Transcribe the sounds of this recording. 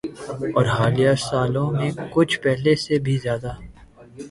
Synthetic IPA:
ɔːɾɦaːlijaːsaːlõmẽkʊt͡ʃʰpɛɦlesebʱizjaːd̪aː

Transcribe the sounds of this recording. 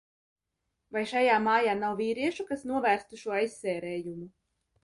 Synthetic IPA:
vajʃajaːmaːjaːnawviːɾiɛʃukasnuɔvæːɾst̪uʃuɔajsːɛːɾɛːjumu

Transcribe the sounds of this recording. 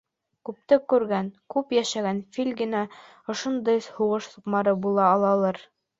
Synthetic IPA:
kʉp̚t̪ɘkʉɾɡænkʉpjæʃæɡænfilʲɡɘ̆næ | ŏʃŏnd̪ɤjshuʁɤʃsŏqmɑɾɤbulˠɑːlˠɑlˠɤɾ

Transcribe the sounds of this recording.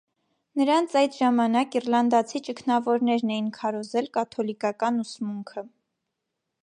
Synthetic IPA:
nəɾɑnt͡sʰɑjd̪ʒɑmɑnɑkirlɑnd̪ɑt͡sʰit͡ʃəkʰnɑvɔɾnɛɾnɛjinkʰɑɾɔzɛlkɑt̪ʰɔlikɑkɑnusmuŋkʰə

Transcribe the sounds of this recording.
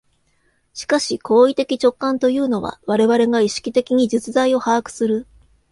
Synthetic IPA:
ɕi̥kaɕikʰo̞ːit̪e̞kʲit͡ɕo̞kːãnt̪o̞jɯ̟ːno̞βa̰βaɾe̞βaɾe̞ŋaiɕi̥kʲit̪e̞kʲiɲ̟id͡ʑɨt͡sɨzaio̞haːkɯ̟̥sɨɾɯ̟

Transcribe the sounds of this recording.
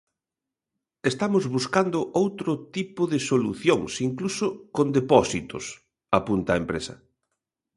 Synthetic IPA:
est̪amʊzβuskand̪ʊʔowt̪ɾʊt̪ipʊðɪsolṵθjoŋsiŋklusʊkond̪epɔsit̪ʊ̰s | apunt̪ɐaempɾesɐ̰

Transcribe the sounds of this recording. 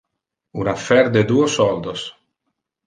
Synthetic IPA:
unafɛɾd̪ed̪uːosɔld̪os

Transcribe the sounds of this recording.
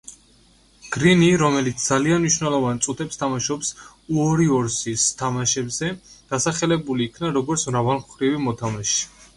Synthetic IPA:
ɡ̥ɾiniɾɔmɛlit̪sd̪zalianmiʃvnɛlˠɔvant̪sʼut̪ʰɛpst̪ʰamaʃɔpsuɔɾiɔɾsist̪ʰamaʃɛbzɛd̪̥asaχɛlɛbuliːkʰnaɾɔɡɔɾt̪sʰmɾavalˠmχɾivimɔt̪ʰamaʃi̥

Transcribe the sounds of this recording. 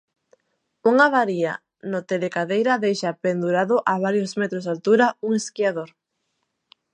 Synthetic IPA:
uŋaβaɾia̰ | not̪elekaðejɾaðejʃapend̪uɾaðʊʔaβ̞aɾjozmɛt̪ɾozalt̪uɾauŋeskiaðoɾ

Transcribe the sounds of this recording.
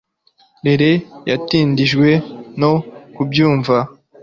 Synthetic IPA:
ɾe̞ɾe̞jatiːndiʒɡwe̞no̞kubjuːɱva

